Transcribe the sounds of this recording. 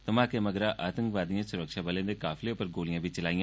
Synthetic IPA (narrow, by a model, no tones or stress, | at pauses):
t̪əmaːkeməɡɾaːʔaːt̪ə̃ŋkʋaːd̪ijãːsʊɾəkʃaːbəlẽːd̪eːkaːfʰleopəɾɡoːlijãːbit͡ʃəlaːijãː